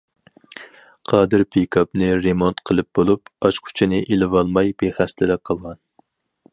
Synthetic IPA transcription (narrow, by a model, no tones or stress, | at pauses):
qʰɑːd̪ɨɾpʰekʰɑpnɨɾemont̪qʰəlˠɨp̚bolˠupɑt͡ʃqʰʊ̥t͡ʃʰinɪʔelɪvɑlˠmɑjb̥eχæslɪlɛk̚qʰɑlˠʁɑn